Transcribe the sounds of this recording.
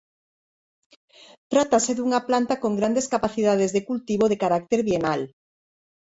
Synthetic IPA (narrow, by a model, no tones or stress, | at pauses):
t̪ɾat̪aseðuŋaplant̪akoŋɡɾand̪eskapaθiðað̞ezðekult̪iβoðekaɾak̚t̪eɾβjenal